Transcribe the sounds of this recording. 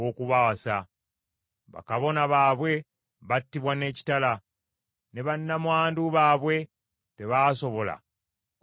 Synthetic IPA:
okuβasa | βa̰kaβo̞naβaːβwe̞ | βatːiβwane̞ːci̥tala | ne̞βanːamwaːnduβaːβwe̞ | te̞βaːso̞βo̞la̰

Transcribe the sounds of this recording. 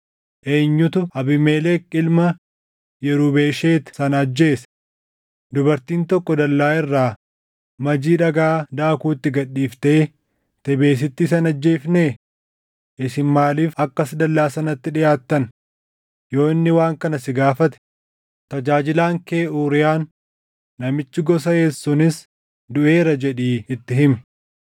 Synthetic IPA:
ʔeːɲːʊt̪ʊɐbɪmeːleːkʼɪlmɐ | jɛɾuːbeːʃeːt̪sɐnɐd͡ʒːe̞ːsɐ̥ | d̪ʊbɐɾt̪iːnt̪ɔkːɔd̪ɐlːaːɪrːaː | mɐd͡ʒiːᶑɐɡaːd̪aːkuːt̪ːɪɡɐɗːiːft̪eː | t̪ɛbe̞ːs̬ɪt̪ːɪsɐnɐd͡ʒːe̞ːfneː | ʔɪsɪnmaːliːfɐkːɐsd̪ɐlːaːsɐnɐt̪ːɪᶑɪjaːt̪ːɐn | jo̞ːɪnːɪwaːŋkɐnɐsɪɡaːfɐt̪ɛ̥ | t̪ɐd͡ʒaːd͡ʒɪlaːŋkeːuːɾɪjaːnː | ɐmɪt͡ʃːɪɡɔsɐjeːsːʊnɪs | d̪ʊʔe̞ːɾɐd͡ʒɛᶑiːɪt̪ːɪɦɪmɛ

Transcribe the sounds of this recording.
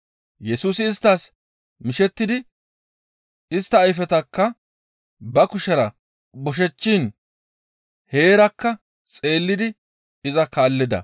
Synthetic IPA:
jɛsuːs̬ɪːst̪ːaːs | mɪʃɛt̪ːɪd̪ɪ | ɪst̪ːɐːjfɛt̪ɐkːɐ | bɐkʊʃɐɾɐ | bɔʃ̬ɛt͡ʃːiːn | he̞ːɾɐkːɐ | t͡sʼe̞ːlːɪd̪ɪ | ɪzɐkaːlːɪd̪ɐ̰

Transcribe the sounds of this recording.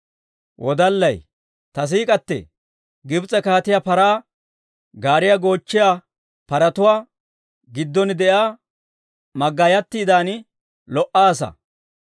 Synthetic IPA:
wʔɔd̪ɐlːɐj | t̪ɐs̬iːkʼɐt̪ːɛ̰ | ɡɪbt͡sʼɛkaːt̪ɪjapɐɾaː | ɡaːɾɪjɐɡo̞ːt͡ʃːɪjaː | pɐɾɐt̪ʊwaː | ɡɪd̪ːɔnd̪ɛʔaː | mɐɡːajɐt̪ːiːd̪aːn | lɔʔaːsɐ̰

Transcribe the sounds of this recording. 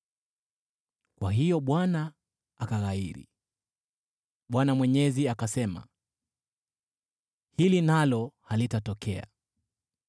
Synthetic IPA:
kwaɦijɔɓwanaː | kaɣaiɾḭ | ɓwanamwɛɲɛziakasɛma̰ | hilinalɔhalitatɔkɛa̰

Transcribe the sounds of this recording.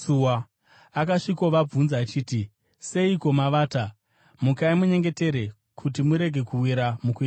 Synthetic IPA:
uwa | akaʂikoʋab͡vunzaːt͡ʃiːti | se̞iko̞maʋaːta | mukaimuɲe̞ŋɡe̞te̞ɾe | kʰut̬imuɾe̞ɡʱe̞kuwiɾamukue

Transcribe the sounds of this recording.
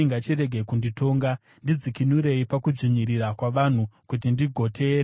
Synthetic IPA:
iŋɡat͡ʃiɾe̞ɡʱekundito̞ːŋɡa | ndid͡zikinuɾe̞ipakuʐiɲiɾirakwaʋan̤ukutindiɡʱo̞tʰeːɾa

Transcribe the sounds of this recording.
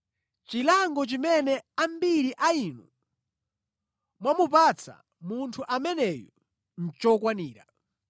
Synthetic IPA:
t͡ʃilaŋɡɔt͡ʃimɛnɛambiɾiʔaiːnu | mwamupat͡sʰa̰ | muntʰuʔamɛnɛjɔ | n̩t͡ʃɔkwaniːɾa̰

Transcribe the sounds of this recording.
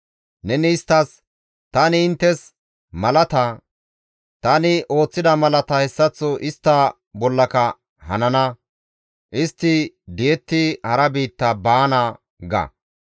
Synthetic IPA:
nɛnɪːst̪ːɐs | t̪ɐnɪɪnt̪ːɛs | mɐlɐt̪ɐ | t̪ɐnɪʔo̞ːt͡sːɪd̪ɐmɐlɐt̪ɐhɛsːɐt͡sːɔʔɪst̪ːɐ | bɔlːɐkɐ | hɐ̰nɐnɐ | ʔɪst̪ːɪ | d̪ɪjɛt̪ːɪhɐɾɐbiːt̪ːɐbaːnɐ | ɡɐ̰

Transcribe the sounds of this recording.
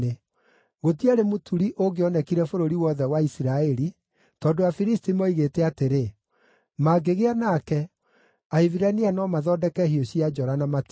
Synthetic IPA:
e | ɣotiaɾemotʰuɾiʔoɡeɔnɛkiɾɛfoɾoɾiwɔðɛwaisiɾaɛɾi | tɔdoafiɾistimɔiɣeːtɛateɾe | maɡeɣeanakɛ | aeviɾanianɔmaðɔdɛkɛhioɕiad͡ʒɔɾanamat

